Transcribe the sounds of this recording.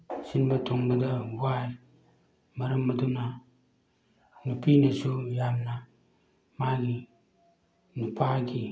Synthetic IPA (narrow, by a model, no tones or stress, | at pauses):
sinbatuŋbadaɡuaj | maɾamːaduna | nupinasujamna | maɡi | nupʰaɡi